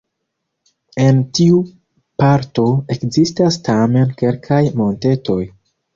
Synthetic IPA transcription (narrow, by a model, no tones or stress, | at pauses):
e̞ntiu | paɾto̞e̞kzistastame̞nke̞lkʰajmo̞nte̞tʰo̞j